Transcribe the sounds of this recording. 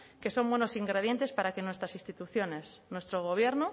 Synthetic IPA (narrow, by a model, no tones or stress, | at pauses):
ke̞so̞mbwe̞nosiŋɡɾeð̞je̞nt̪e̞spaɾakenwe̞st̪ɾasĩst̪it̪uθjone̞snwe̞st̪ɾoɣ̞oβ̞je̞ɾno